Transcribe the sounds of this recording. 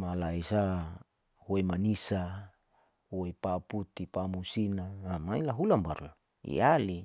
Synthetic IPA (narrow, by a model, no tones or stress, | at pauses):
malaisa | huimanisa | uipaput̪ipamusinaamailaɦulambaɾ | ḭali